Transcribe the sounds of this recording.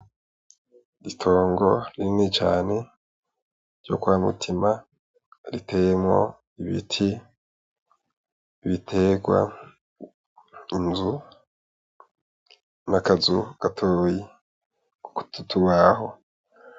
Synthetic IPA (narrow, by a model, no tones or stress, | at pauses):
itʰo̞ːŋɡo̞̰ɾiɾinit͡ʃa̰ːne̞ | ɾɟo̰kuamṵtʰima | ɾitejemŋo̞̰ | iβḭtʰi | βitʰe̞ɡwa̰ | inzu | nakazuɡ̥atʰoːji | ku̥ku̥tutʰuβaho̞